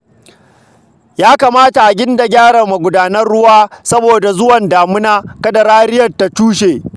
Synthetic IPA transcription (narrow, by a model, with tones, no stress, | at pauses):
jaː˦kaː˨maː˦ta˨ʔa˨ɡʲɪ˦nda˨ɡʲaː˦ɽɐ˨rma˨ɡʷʊ˨daː˦nɐ˦rɽʊ˦waː˦sɐ˦boː˨da˨zʊ˦wɐ˨ndaː˨mʊ˦naː˦kɐ˦da˨ɾaː˦ɾɪ˦jɐ˨rta˨tuː˦ʃeː˨